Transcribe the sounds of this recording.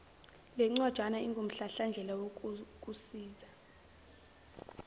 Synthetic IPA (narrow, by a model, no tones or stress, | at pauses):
lɛŋ͡ǀad̥ʒ̥ʱwanaiŋɡʱom̩ɬaɬand͡ɮʱɛlawokkʼusiːza